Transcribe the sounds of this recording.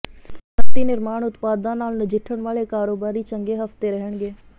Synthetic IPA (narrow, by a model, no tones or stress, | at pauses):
sət̪iːnɪɾmaːɽ̃ʊt̪paːd̪ãnaːlnəd͡ʒɪʈʰəɽ̃ʋaːɭekaːɾoːbaːɾit͡ʃə̃ŋɡeɦɐft̪eɾəɦəɽ̃ɡeː